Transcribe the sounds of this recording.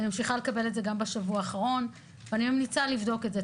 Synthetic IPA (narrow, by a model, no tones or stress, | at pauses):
nimamʃiχale̞kabe̞letzeɡambeʃavuaːχaʁo̞n | veanimemnit͡salivdo̞ketze